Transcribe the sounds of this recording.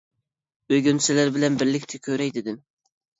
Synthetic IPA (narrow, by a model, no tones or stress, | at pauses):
øɡʲynsɪlæɾbɪlɛnbɪɾlɪkʲt̪ʰɪkʲʰøɾɛjd̪ɪd̪ɪm